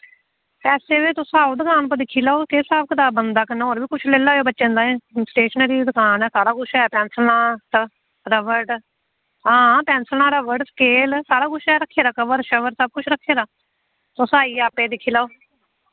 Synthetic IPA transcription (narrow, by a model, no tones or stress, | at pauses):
pɛːseːʋeːt̪ʊsaːoːd̪ʊkaːnp̬əd̪ɪkʰːiːlaːoːkeːsaːbkət̪aːbənd̪aːkəneːoːɾʋiːkʊt͡ʃʰleːlaːjeːbətːʃẽːnd̪aːẽːsʈeːʃəneɾiːd̪ʊkaːnɛːsaːɽaːɡʊʃɛːpɛ̃ːnsəlnãːtə | ɾəʋəʈ | ɦãːpɛ̃ːnsəlnaːɾəʋəɖsə̥keːlsaːɽaːkʊʃɛːɾəkʰːeːɾaːkəʋəɾʃəʋəɾsəb̚kʊt͡ʃʰɾəkʰːeːɾaː | t̪osaːiːaːpeːd̪ɪkʰːiːlaːoː